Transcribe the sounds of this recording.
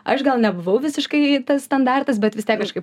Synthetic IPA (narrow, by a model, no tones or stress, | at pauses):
ɐʃɡɐlˠnʲɛbʊʋɐʊʋʲɪsʲɪʃkɐɪt̪ɐsst̪ɐnd̪ɑrt̪ɐs̬bʲɛt̪ʋʲɪst̪ʲiɛkːɐʃkɐɪp